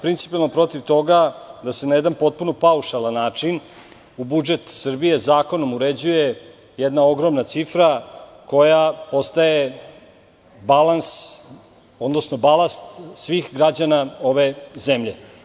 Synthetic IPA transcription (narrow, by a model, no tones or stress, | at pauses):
pɾint̪si̥pialnopɾo̞t̪iʋt̪o̞ɡad̪asenajed̪anpo̞t̪̚puno̞pauʂalˠanːaːt͡ʂin | ubud͡ʒe̞t̪sr̩bije̞zaːko̞no̞muɾed͡ʑuje̞ | jɛd̪nao̞ɡɾo̞mnat̪sifɾa | ko̞japo̞st̪aje̞ | balans | o̞d̪nosno̞balˠast̪sʋixɡɾad͡ʑanao̞ʋe̞ze̞mʎe̞